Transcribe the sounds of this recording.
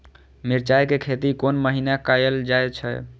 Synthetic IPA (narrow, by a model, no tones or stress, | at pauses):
miɾt͡ʃajkekʰet̪ikonməɦinakajəld͡ʒaet͡ʃʰɛ̰